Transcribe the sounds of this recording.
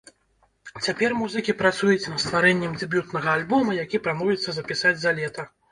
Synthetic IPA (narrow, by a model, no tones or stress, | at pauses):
t͡sʲapʲɛrmuzɨkʲipɾat̪sujut͡sʲnɐt̪st̪vaɾɛnʲːɛmd͡zʲɨbʲut̪nɐɣɐːlʲbɔmɐjakʲipɾamɔvʲɛt̪sːɐzɐpʲisad͡zʲzalʲɛt̪ɐ